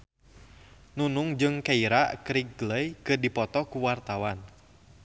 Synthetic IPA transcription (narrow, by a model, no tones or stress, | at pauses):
nunuŋd͡ʒɨŋkaiɾakɾiɡ̚ləjkɨrdipɔt̪ɔkuwart̪awan